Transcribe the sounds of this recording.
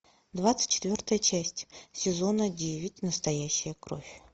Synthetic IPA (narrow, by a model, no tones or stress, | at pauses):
d̪vat̪sɨ̥tʲt͡ɕʰːɪ̥t̪vʲort̪əjət͡ɕæsʲtʲsʲɪzo̞nədʲevʲɪtʲnəst̪ɐjæɕːɪjəkro̞̰fʲ